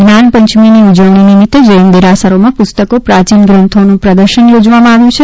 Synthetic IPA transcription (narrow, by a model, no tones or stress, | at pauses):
ɡnanpəɲt͡ʃminiud͡ʒəʋɳ̃inimɪt̪ːd͡ʒəəmd̪iɾasəɾomãpʊst̪əkopɾat͡ʃinɡɾə̃nt̪ʰonũpɾəd̪əɾʃənjod͡ʒʋamãaʋjũt͡ʃʰe